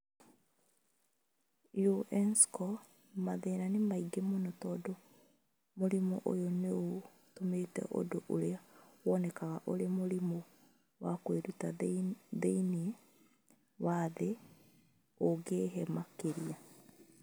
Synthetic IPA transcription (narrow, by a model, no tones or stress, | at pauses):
joʔɛnskɔ | maðeːɾanemaiɡemonɔtɔdo | moɾimɔʔo̰joneo | tometɛ̰ʔo̰doʔoɾeawɔnɛkaɣaʔoɾemoɾimɔ | wakweɾutaðeinie | waðe | oɡeɦɛmakeɾia